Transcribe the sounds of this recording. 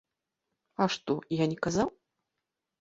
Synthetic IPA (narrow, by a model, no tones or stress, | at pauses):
aʂt̪ɔjanʲɛkazaw